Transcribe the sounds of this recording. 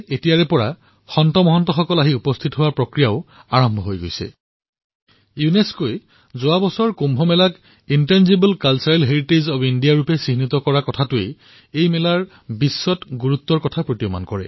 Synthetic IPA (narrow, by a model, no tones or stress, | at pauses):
etijaɹɛpɔɹa̰ | xɔntɔmɔɦɔntɔxɔkɔlaɦiupɔst̪ʰitɦowapɹɔkɹijaʊaɹɔmbʱɔɦojɡo̰jsɛ̰ | juneskoj | zowabɔsɔɹkumbʱɔmɛlak | intanzibɛlkalsaɹɛlɦeɹitezabɔindijaɹupɛsinitɔkɔɹakɔtʰatʊej | ejmɛlaɹ | bisːɔtɡuɹut̪ːɔɹkɔtʰapɹotijɔma̰nkɔɹɛ̰